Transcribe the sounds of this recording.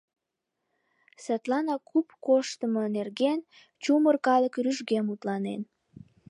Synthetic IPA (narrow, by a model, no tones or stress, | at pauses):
set̪lɑnɑkupkoʃt̪əmonerɣen | t͡ɕumərkɑləkryʒɣemut̪lɑnḛn